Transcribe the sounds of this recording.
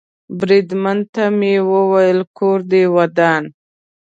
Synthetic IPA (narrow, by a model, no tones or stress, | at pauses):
bɾid̪mant̪amewəwajəlkʰoɾd̪ewad̪ɑn